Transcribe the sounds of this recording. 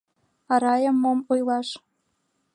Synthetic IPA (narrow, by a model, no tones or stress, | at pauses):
ɑɾɑjɤ̆mːomujlˠɑʃ